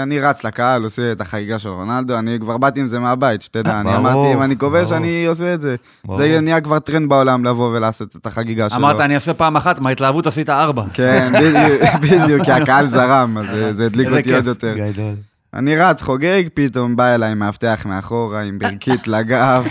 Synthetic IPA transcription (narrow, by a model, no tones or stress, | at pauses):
aniʁat͡slakaaloseet̪aχaɡiɡaʃe̞lʁonald̪o̞anikvaʁbat̪iːmzemeabait̪ʃt̪ed̪aːniamaʁt̪iimanikoveʃanioseːtze̞ | zenijakvaʁt̪ʁenbao̞lamlavo̞ve̞laːso̞t̪et̪aχaɡiɡaʃemaʁtianiasepaːmaχat̪mait̪laavut̪asit̪aaʁbakenbid̪ubid̪jukkːiakaalzaʁamazezeːd̪likkotiiod̪jo̞t̪e̞ʁ | a̰niʁat͡sχo̞ɡeɡpit̪o̞mbaelaimeaft̪eaχmeaχo̞ʁaimbiʁkit̪laɡav